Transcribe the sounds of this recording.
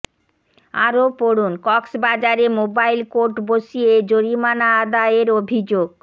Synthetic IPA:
aɾopoɽunkɔksbad͡ʑaɾemobailkoɾʈboʃied͡ʑoɾimanaad̪aeɾobʱid͡ʑoɡ

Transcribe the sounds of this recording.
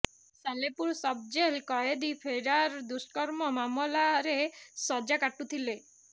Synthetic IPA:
salepuɾsɔb̚d͡ʒelkɔjed̪ipʰeɾaɾd̪uskɔɾmɔmamɔlaɾesɔd͡ʒakaʈut̪ʰile

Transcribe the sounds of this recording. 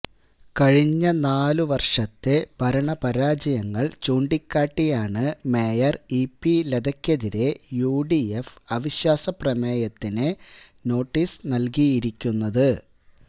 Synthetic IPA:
kɐɻiɲːɐnaːluʋɐrʂɐt̪ːe̞b̥ʱɐɾɐɳɐpɐɾaːd͡ʑɐjɐŋːɐɭt͡ɕuːɳɖikʲːaːʈːijaːɳɨme̞ːjɐripːiled̪ɐkʲːɐðiɾe̞juːɖiefɐʋiɕwaːsɐprɐmeːjɐt̪ːinɨ | no̞ːʈːisnɐlk̬ijiɾikʲːunːɐðɨ

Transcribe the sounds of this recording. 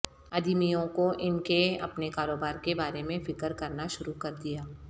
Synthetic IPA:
ɐd̪imijõkoʔɪnkeɐ̰pnekaːɾoːbaːɾkebaːɾemẽfɪkəɾkɐɾnaʃʊɾukɐɾd̪ijaː

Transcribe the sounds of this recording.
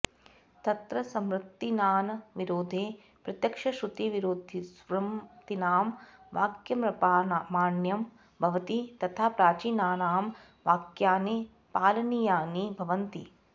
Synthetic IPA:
t̪ɐt̪ɾɐsɐmɾut̪ːinaːnɐʋiɾoːd̪ʱeː | pɾɐt̪jɐkʂɐʃɾut̪iʋiɾoːd̪ʱisʋɾɐmt̪inaːmʋaːkjɐmɾɐpaːnamaːnjɐm | bʱɐʋɐt̪it̪ɐt̪ʰaːpɾaːt͡ʃiːnaːnaːm | ʋaːkjaːni | paːlɐnijaːnibʱɐʋɐnt̪i

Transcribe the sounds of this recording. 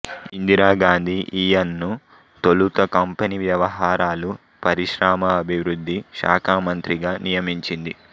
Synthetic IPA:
ind̪iɾaːɡaːnd̪iʔiːjɐnːu | t̪olut̪ɐkɐmpɐniʋjɐʋɐɦaːɾaːlu | pɐɾiʃɾaːmɐːbʱiʋɾud̪ʱːiʃa̰ːkʰaːmɐnt̪ɾiɡaːnijɐmiɲt͡ʃind̪i

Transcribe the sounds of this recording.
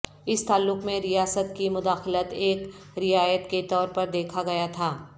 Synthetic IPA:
ɪst̪aːlːʊqmẽɾɪjaːsət̪kimʊd̪aːxlət̪eːk | ɾɪaːjət̪ket̪ɔːɾpɐɾd̪eːkʰaɡɐjat̪ʰaː

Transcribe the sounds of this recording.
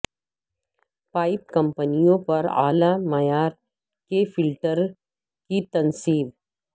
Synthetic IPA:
paːɪp̚kɐ̃mpənijõpɐɾa̰ːlamɐjaːɾ | kefɪlʈəɾ | kit̪ɐnsiːb

